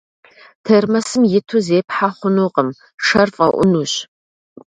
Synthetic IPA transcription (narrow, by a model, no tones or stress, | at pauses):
tʰɐrmɐsɨmjɪtʰuzeːpħaχʷʊnuːqʼəm | ʂɐrfʼɐ̰ʔʷʊ̰nuɕ